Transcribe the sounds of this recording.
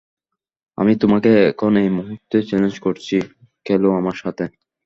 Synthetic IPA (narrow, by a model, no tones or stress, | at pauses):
a̰mit̪omakeɛkʰonejmuɦut̪ːet͡ɕɛlend͡ʑkoɾt͡ɕʰi | kɛloamaɾʃat̪ʰe